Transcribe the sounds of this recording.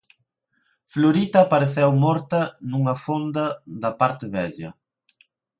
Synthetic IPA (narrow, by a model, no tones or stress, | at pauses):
floɾit̪ɐpaɾeθɛwmɔɾt̪ɐnuŋɐfond̪ɐðɐpaɾt̪ɪβɛʎɐ